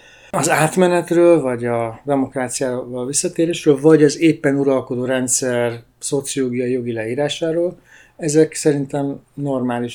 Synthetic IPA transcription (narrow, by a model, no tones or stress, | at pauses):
ɒzaːt̪mɛnɛt̪røːlvɒɟɒd̪ɛmo̞kraːt̪sijaːvɒlvisːɒt̪eːɾeːʃrøːlvɒɟɛzeːpːɛnuɾɒlko̞d̪oːɾɛnt̪sɛr | so̞t̪sijoːɡijɒijo̞ɡilɛiːɾaːʃaːɾoːl | ɛzɛksɛɾint̪ɛmno̞rmaːliʃ